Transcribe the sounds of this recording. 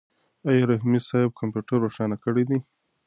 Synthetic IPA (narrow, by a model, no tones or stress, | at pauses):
ajɑɾaɦimisɑɪb̚kʰampjuʈaɾːoʂɑnakəɽid̪i